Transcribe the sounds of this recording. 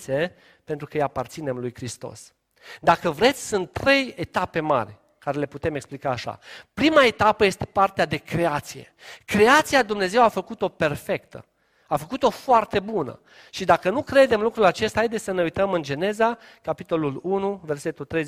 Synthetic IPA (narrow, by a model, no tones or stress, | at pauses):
se | pent̪ɾukəɨjapart̪sine̞mlujkɾist̪o̞̰s | d̪akəvɾe̞t̪sʲsunt̪ːɾe̞je̞t̪ape̞ma̰ɾʲ | kaɾele̞put̪e̞meksplikaːʃa̰pɾimae̞t̪apəje̞st̪e̞̥part̪ead̪e̞kɾe̞at̪sije̞̰kɾe̞at̪siad̪umne̞ze̞wafəkut̪o̞pe̞rfe̞kt̪ə̰ | afəkut̪o̞foart̪e̞bunə̰ | ʃid̪akənukɾe̞d̪e̞mlukɾulat͡ʃe̞st̪aajd̪esʲsəne̞ujt̪əmɨnd͡ʒe̞ne̞za | kapit̪o̞lulunuve̞rse̞t̪ult̪ɾej